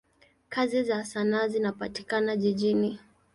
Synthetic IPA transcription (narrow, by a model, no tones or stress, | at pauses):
kazizasanaːzinapati̥kanaʄiʄini